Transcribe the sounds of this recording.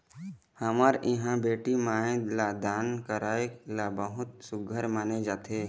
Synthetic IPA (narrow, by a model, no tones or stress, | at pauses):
həmaːɾɪɦãbeːʈimaːɪ̃d̪lad̪aːnkəɾaːeklabəɦʊt̪sʊɡʱəɾmaːned͡ʒaːt̪ʰeː